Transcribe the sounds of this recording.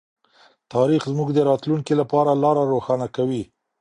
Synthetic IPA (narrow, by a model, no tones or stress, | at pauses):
t̪ɑɾixzmuɡd̪əɾɑt̪luŋkilapɑɾalɑɾaɾoxɑnakawi